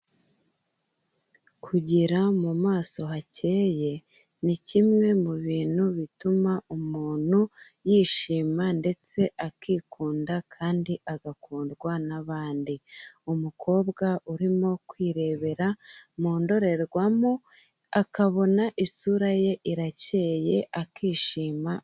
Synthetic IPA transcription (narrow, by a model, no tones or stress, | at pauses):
kʰuɟiɾamumaːso̞ɦace̞ːje̞ | nicimŋe̞muβiːn̥huβitumaumuːn̥hu | jiːʃiːmande̞t͡se̞ʔakiːkʰuːndakʰaːndiʔaɡakuːndɡwanaβaːndiumukʰo̞ːbɡauɾimo̞kwiːɾe̞βe̞ɾamoːndo̞ɾe̞ɾɡwamo | akaβo̞naʔisuɾaje̞ʔiɾace̞ːje̞ʔakiːʃiːma